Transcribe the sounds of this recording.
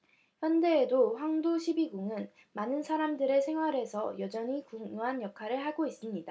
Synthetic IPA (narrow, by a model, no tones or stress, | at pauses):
çjʌnde̞ːdoɸwaŋdoɕʰibiɡuŋɯn | manɯnsʰaɾamdɯɾe̞sʰe̞ŋɦwaɾe̞sʰʌjʌd͡ʑʌɲikuŋoɦanjʌkʰaɾɯɭhaɡois͈ɯmɲida